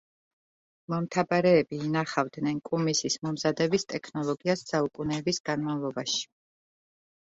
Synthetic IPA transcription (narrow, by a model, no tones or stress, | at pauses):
mɔmt̪ʰabaɾɛːbiːnaχavd̪nɛnkʼumisismɔmzad̪ɛbist̪ʼɛkʰnɔlˠɔɡiasːaukʼunɛːbisɡ̥anmavlˠɔbaʃi̥